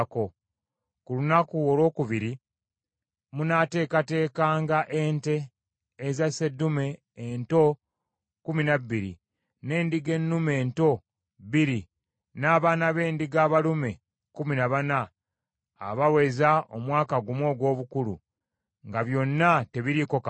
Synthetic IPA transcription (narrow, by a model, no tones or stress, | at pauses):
ko̞ | kulunakuolo̞ːkuβiɾi | munate̞ːkate̞ːkaːŋɡaʔe̞nte̞ː | zase̞dume̞ː | nto̞ | kuminabːiɾḭ | ne̞ːndiɡe̞nːume̞nto̞ | βiɾi | naːβaːnaβe̞ːndiɡaːβalume̞ | kuminaβana̰ː | βawe̞zaʔo̞mwaːkaɡumwo̞ːɡwo̞ːβukulṵ | ŋɡaβjo̞nːate̞βiɾiko̞ka